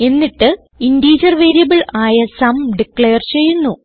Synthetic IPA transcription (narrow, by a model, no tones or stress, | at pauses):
e̞nːiʈːɨ | indiːd͡ʑɐrʋe̞ːɾijɐbɨɭaːjɐsɐmɖikɭe̞ːɐrt͡ɕe̞jːunːu